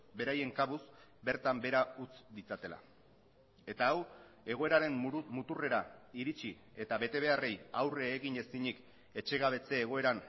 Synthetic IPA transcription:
be̞ɾaje̞ŋkaβuzbe̞ɾt̪ambe̞ɾaut͡sd̪it͡sat̪e̞la̰ | e̞t̪aːw | e̞ɣ̞o̞e̞ɾaɾe̞mmːut̪ure̞ɾaiɾit͡ʃi | e̞t̪aβe̞t̪e̞β̞e̞are̞jawreːɣiɲe̞siɲik | e̞t͡ʃe̞ɣ̞aβ̞e̞t͡se̞ːɣ̞o̞e̞ɾan

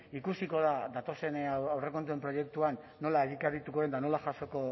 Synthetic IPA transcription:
ikusiko̞ðaðat̪o̞se̞nawre̞ko̞nt̪̬ue̞mpɾo̞je̞k̚t̪uanːo̞laeɣikaɾit̪uko̞ðend̪ano̞laʝaso̞ko̞

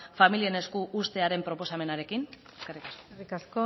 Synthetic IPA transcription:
familie̞ne̞skuʔust̪e̞aɾe̞mpɾo̞po̞same̞naɾe̞kin | eskerikaskorikasko

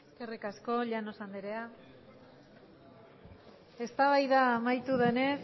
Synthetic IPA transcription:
eske̞rikasko̞ʎano̞sand̪iɾea | e̞st̪aβajðaːmajt̪uðe̞ne

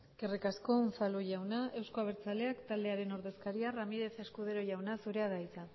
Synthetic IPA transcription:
kerekasko̞unsaluʝawnae̞wsko̞aβ̞e̞ɾt͡sale̞akt̪ald̪e̞aɾe̞no̞ɾðe̞skaɾiaramiðe̞θe̞skuð̞e̞ɾo̞ʝawnasuɾe̞aðajt͡sa

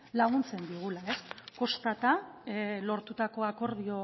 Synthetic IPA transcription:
laɣ̞unt͡se̞nd̪iɣ̞ulae̞sko̞st̪at̪alo̞ɾt̪ut̪ako̞ako̞ɾð̞io̞

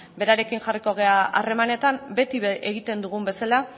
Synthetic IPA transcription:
be̞ɾaɾe̞kiŋʝariko̞ɣ̞e̞aʔa̰re̞mane̞t̪ambe̞t̪iʔeɣ̞it̪e̞nd̪uɣ̞umbe̞sala

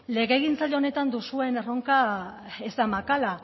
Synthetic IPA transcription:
le̞ɣe̞ɣint͡saʎeone̞t̪and̪usue̞nero̞ŋka | ezd̪amakala

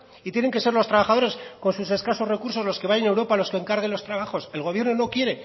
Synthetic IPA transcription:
it̪jene̞ŋke̞se̞ɾlo̞st̪ɾaβaxaðo̞ɾe̞sko̞nsuse̞skaso̞zre̞kuɾso̞zlo̞skeβajene̞wɾo̞palo̞skeŋkaɾɣ̞e̞nlo̞st̪ɾaβ̞axo̞se̞lɣ̞oβje̞ɾno̞no̞kje̞ɾe̞

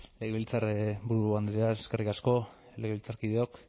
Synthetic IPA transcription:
leɣeβilt͡saɾbuɾuand̪ɾeaeske̞rikasko̞ | leɣeilt͡saɾkið̞eok

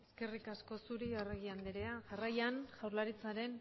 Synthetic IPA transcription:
eske̞rikasko̞suɾioreɣiand̪iɾe̞aʝarajanʝawɾlaɾit͡saɾe̞n

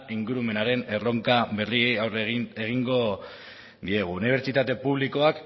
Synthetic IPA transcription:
iŋɡuɾume̞naɾe̞ne̞ro̞ŋkaβe̞riejawree̞ɣ̞iŋɡo̞ | d̪ie̞ɣ̞uːniβ̞e̞ɾt͡ʃit̪at̪e̞puβ̞liko̞ak

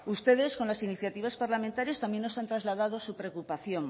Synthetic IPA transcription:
ust̪e̞ðe̞sko̞nlasiniθjat̪iβ̞aspaɾlamẽnt̪aɾjast̪amje̞nːosant̪ɾazlaðað̞o̞supɾe̞okupaθjo̞ŋ

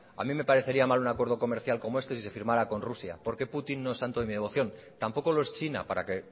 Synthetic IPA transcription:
a̰mĩme̞paɾe̞θe̞ɾiamalunakwe̞ɾðo̞ko̞me̞ɾθjalko̞mo̞e̞st̪e̞sise̞fiɾmaɾako̞nrusja̰po̞ɾke̞put̪inːo̞estant̪oðemiðe̞βo̞θjo̞nt̪ampo̞ko̞lo̞e̞st͡ʃina̰paɾake̞

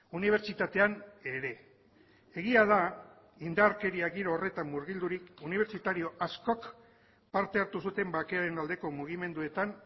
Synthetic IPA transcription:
uniβ̞e̞ɾt͡ʃit̪at̪e̞ane̞ɾe̞ | eɣiað̞a | ind̪aɾke̞ɾiaɣiɾoːre̞t̪amːuɾɣild̪uɾikuniβ̞e̞ɾt͡ʃit̪aɾio̞ʔasko̞k | paɾt̪e̞aɾt̪usut̪e̞mbake̞aɾe̞nald̪e̞ko̞muɣ̞ime̞nd̪ue̞t̪an

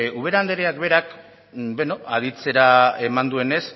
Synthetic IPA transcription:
uβ̞e̞ɾand̪eɾeakbe̞ɾak | beno̞aðit͡se̞ɾae̞mand̪ue̞ne̞s

